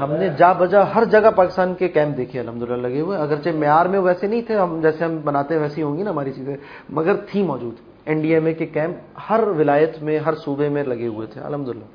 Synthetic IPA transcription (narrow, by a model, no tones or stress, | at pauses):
ɦɐmned͡ʒaːbɐd͡ʒaɦɐɾd͡ʒɐɡapaːkɪ̥st̪aːnkekɛ̃ːmp̚d̪eːkʰeɐlɦɐmd̪ʊlɪlːalɐɡeɦʊeɐɡəɾt͡ʃemejaːɾmẽʋoɛːsenɐɦĩt̪ʰeɦɐmd͡ʒɛːseɦɐmbɐnaːt̪ẽɦɛ̃ʋɛːseɦiɦõːŋɡinaɦɐmaːɾit͡ʃiːzẽ | mɐɡəɾt̪ʰimɔːd͡ʒuːd̪ | ɛ̃ɳɖieːmẽkekɛ̃ːmphɐɾʋɪlaːjət̪mẽɦɐɾsuːbemẽlɐɡeɦʊet̪ʰḛɐ̰lɦɐmd̪ʊɪlːa̰ː